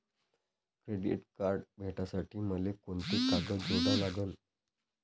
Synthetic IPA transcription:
kɾeɖḭʈkaɾɖbʱeʈasaʈiːməlekoɳt̪ikaɡəd͡zoɽalaɡən

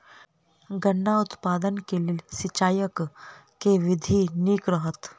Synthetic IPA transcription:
ɡəɳːaʊt̪paːd̪ənkelesɪt͡ʃaːjəkː | eʋɪd̪ʱiniːkɾəɦət̪

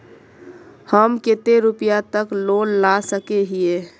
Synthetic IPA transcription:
həmket̪eɾʊpijat̪əkloːnlasəkeɦie

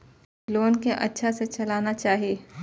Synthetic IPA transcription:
loːnkeʔɐ̰tːʃʰaset͡ʃɐlaːnat͡ʃaːɦieː

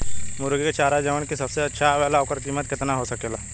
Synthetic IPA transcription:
mʊɾɡket͡ʃaːɾad͡ʒəʋənkisɐbseɐtːʃʰaʋɛːlaokəɾkimːət̪̚kɪt̪naɦosɐkeːlaː

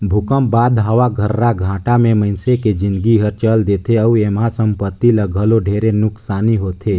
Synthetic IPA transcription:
bʱʊkəmbaːd̪ɦaʋaɡʱəɾːaɡʱãːʈamẽmə̃ɪnseked͡ʒɪ̃nd̪ɡiɦəɾt͡ʃəld̪et̪ʰeəuemɦasə̃mpət̪ːiləɡʱəloɖʱeːɾenʊksaːniɦoːt̪ʰe

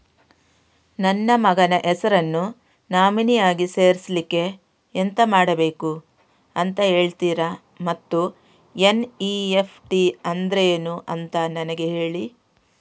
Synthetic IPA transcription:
nɐnːɐmɐɡɐnɐʔɛsɐɾɐnːu | naːminijaːɡise̞ːɾislikːe̞ː | nt̪ɐmaːɽɐbe̞ːku | ɐnt̪ɐɦe̞ːɭt̪iːɾɐ | mɐt̪ːu | eniːepʰʈiɐnd̪ɾeeːnuʔɐnt̪ɐnɐnɐɡe̞ɦe̞ːɭi

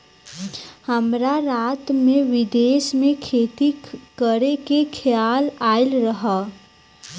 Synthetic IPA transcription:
həmɾaɾaːt̪mẽʋɪd̪eːʃmẽkʰeːt̪ikəɾekekʰjaːlaːɪlɾəɦa

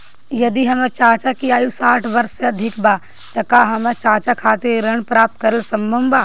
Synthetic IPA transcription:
jɐd̪iɦɐməɾt͡ʃaːt͡ʃakiaːjusaːʈʰʋɐɾsːeɐd̪ʱɪkbaː | t̪ɐkaːɦɐmət͡ʃaːt͡ʃakʰaːt̪eɾɐɳ̃pɾaːp̚t̪̚kɐɾəlsɐ̃mbʱə̃mbaː

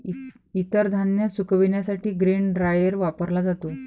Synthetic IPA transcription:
it̪əɾd̪ʱanjəsukʰəʋiɳjasaʈiːɡɾiɳɖɾajəɾʋapəɾlad͡zat̪o

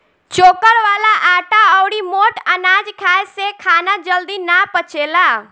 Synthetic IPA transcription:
t͡ʃoːkəɾʋaːlaʔaːʈaɔːɽimoːʈənaːd͡ʒkʰaːesekʰaːnad͡ʒəld̪inapət͡ʃeːlaː

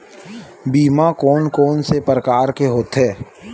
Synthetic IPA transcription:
biːmakɔːnkɔːnsepɾəkaːɾkeɦoːt̪ɦɛː

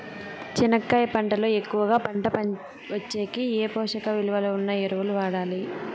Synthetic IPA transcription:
t͡ʃinɐkːɐjɐpɐɳʈɐloːe̞kːuʋɐɡaːpɐɳʈɐpɐ | ʋɐt͡ʃːeːkieːpɔːʂɐkɐʋiluʋɐlounːɐjeɾuʋuluʋaːɽaːli

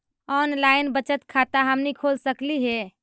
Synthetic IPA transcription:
ɔnlaɪnbət͡ʃət̪kʰat̪aɦəmnikʰolsəkliɦe

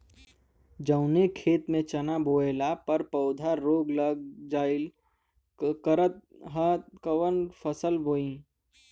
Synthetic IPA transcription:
d͡ʒəʊnekʰeːt̪mẽt͡ʃɐnaboːelapɐɾpɐʊd̪ʱaɾoːɡləɡ̚d͡ʒaːɪl | kəɾət̪̚ | ɦat̪̚kəwənpʰəsəlboːĩː

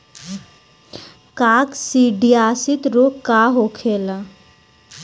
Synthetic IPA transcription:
kaksiɖiasit̪ɾokaɦokʰela

